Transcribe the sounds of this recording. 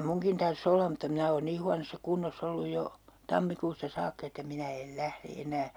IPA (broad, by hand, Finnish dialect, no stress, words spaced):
muŋkin tɑrs olːɑ mutːɑ minæ oːn niː huɑnosːɑ kunːosː olːuj jo tɑmːikuːstɑ sɑːkːɑ̆ etːæ minæ el læhre enæː